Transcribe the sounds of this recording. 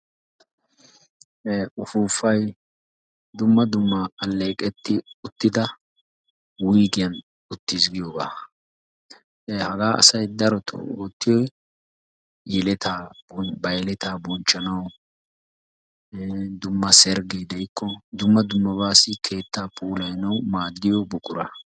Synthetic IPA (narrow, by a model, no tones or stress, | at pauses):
ʔʊfuːfːɐj | d̪ʊmːɐd̪ʊmːakʼɐlːeːkʼɛt̪ːɪʊt̪ːɪd̪ɐ | wijɡɪjɐn | ʊt̪ːiːsɡɪjoːba̰ː | hɐɡaːʔɐ̰sɐjd̪ɐɾɔt̪ʰɔ̰oːt̪ːɪjɔj | jɛlɛt̪ʰaːbɔbɐjlɛt̪aːbɔnt͡ʃːɐnɐw | d̪ʊmːɐsɛɾɡɛjd̪ɐjkʰːɔd̪ʊmːɐd̪ʊmːɐβaːsɪkʰe̞ːt̪ʰːaːpuːlɐjnɐwmaːdːɪjɔbʊkʼʊɾɐ̰